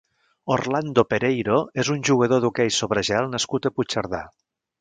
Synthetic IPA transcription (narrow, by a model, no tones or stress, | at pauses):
orland̪opeɾejɾoezunʲʒuɣəð̞oðukɛjsoβɾəʒealˠnəskut̪əput͡ʃəɾð̞a